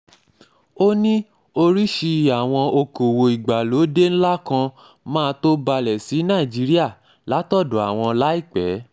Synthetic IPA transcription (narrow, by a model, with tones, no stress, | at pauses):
o˦nĩ˦ | o˧ɾi˦ʃi˧a˨w̃ɔ̃˧o˧ko˨wo˨i˨ɡ͡ba˨lo˨˦de˦ñ̩˦la˦kã˧ | mãː˦˧to˦ba˧lɛ˨si˨˦nã˦˨d͡ʒi˨˦ɾi˦a˦˨ | la˨˦tɔ˦˨dɔ˨˦a˨w̃ɔ̃˧la˨˦i˦˨k͡pɛ˨˦